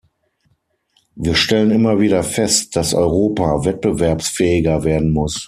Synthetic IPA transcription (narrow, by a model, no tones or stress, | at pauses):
viːɐʃtɛlənɪmɐviːdɐfɛstd̥asʔɔ̰ʏʁoːpavɛt̚b̥əvɛɐpsfɛːɪɡɐveːɐdn̩mʊs